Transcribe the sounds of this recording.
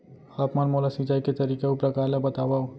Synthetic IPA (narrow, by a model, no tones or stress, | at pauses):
apmənmolasit͡ʃaiket̪əɾikeupɾəkaɾlebət̪abau